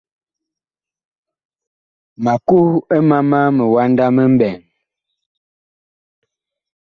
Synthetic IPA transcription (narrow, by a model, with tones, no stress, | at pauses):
ma˨ku˦ə˦ma˦ma˦mə˨wa˦nda˦mə˦m̩˦bɛ˨ŋ